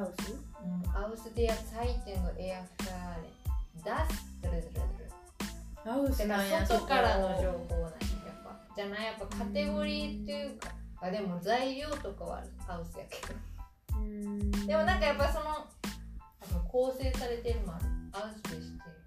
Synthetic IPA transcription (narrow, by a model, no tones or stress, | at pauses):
aɯsɨɯ̟̃ɴaɯ̟sɨd̪ejaait̪ːẽŋɡaʔeakɯ̟̥kaɾed̪asɨ̥t̪ɨɾezeɾɾḛd̪eɾɯ | aɯseo̞t̪o̞kaɾanoo̞ːhoːnã̰japːa̰ | d͡ʑanaijapːakʰat̪e̞ɡo̞ɾʲiːt̪ːejɯ̟kaɡad̪e̞mo̞zaiɾʲo̞ːt̪o̞kaβa̰ɾɯaɯ̟sɨja̰ke̥d̪ɯ | d̪e̞mo̞nãŋkajapːaso̞no̞ | anoko̞ːse̞ːsaɾe̞t̪e̞ɾɯ̟manɯ̰aɯsɨd̪eɕi̥t̪e